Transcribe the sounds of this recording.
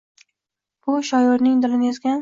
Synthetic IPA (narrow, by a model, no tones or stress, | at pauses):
b̥ʊʃɒjoɾnɪŋd̪ɪlɪnezɡʲan